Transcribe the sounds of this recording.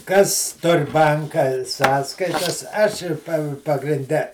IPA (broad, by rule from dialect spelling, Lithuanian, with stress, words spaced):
ˈkɐs ˈtʊr ˈbɐŋkɐ ˈsɑːskɐɪtɐs ˈɐʃ ˈɪr pɐ pɐɡrʲɪnʲˈdʲɛ